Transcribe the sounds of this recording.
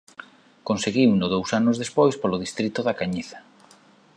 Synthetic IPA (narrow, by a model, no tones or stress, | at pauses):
konseɣiwnʊðowsanʊzðespojspolʊðist̪ɾit̪ʊðakaɲiθḁ